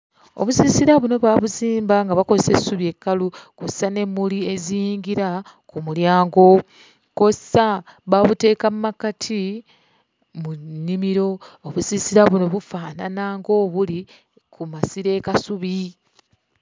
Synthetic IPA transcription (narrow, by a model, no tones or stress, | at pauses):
o̞̰βusiːsiɾaβuno̞βaβuziːmbaŋɡaβako̞se̞sːuβie̞kːalukossane̞mːulie̞ziːŋɡiɾa | kumuljaːŋɡo̞ | kossaβaβute̞ːkammːakatʰi | munːimiɾo̞ːβusisiɾaβuno̞βufaːnanaːŋɡo̞βuli | kʰumasiɾe̞ːkasuβi